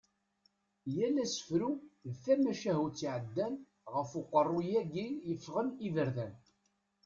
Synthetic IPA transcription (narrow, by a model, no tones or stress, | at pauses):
jælːæsə̥fɾuðθæmæʃæɦut͡sːiʕəd̪ːæn | ʁəfʊqːərˤːujæɡijəfːʁənivəɾðæn